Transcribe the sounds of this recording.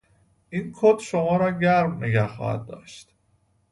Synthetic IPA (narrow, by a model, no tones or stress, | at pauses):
ʔinkʰod̪ʃomɒːɾɒːɟæɾmneɡæhxɒ̰ːhæ̰d̪̚d̪ɒ̰ːʃt̪